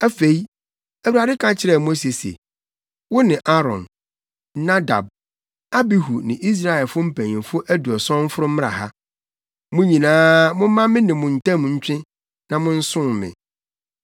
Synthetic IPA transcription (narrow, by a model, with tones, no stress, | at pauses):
æ˦fe˨i˦ | æ˨wu˨ɾa˨dɪ˦kʰã˦t͡ɕʰɪ˦ɾɛ˦˨m̃˦se˨sḛ˨ | wʊ˦nɪ̃˨ʔa˦ɾɔ̰̃˨n | nã˦da̰˨b̚ | a˦bi˦ɦu˨nɪ̃˨ʔi˦s̬ɾa˦˨ɛ˨lfʊ˦m̩˦pʰæ̃˨ɲ˨ɪ̃˨fʊ˦ʔæ˦du˨ɔ˨sɔ̃˦m̩˦fʊ˦ɾʊ˦m̃˦ɾa̰˨ɦa̰˦ | mʊ̃˦ɲĩ˨nãː˦mʊ̃˦m˦mã˦mɪ̃˦nɪ̃˨mʊ̃˨n̩˨tɛ̃˦m˨ɲ̩˦t͡ɕᶣɪ̃˦ | nã˨mʊ̃˦n̩˦sʊ̃˦mɪ̰̃˨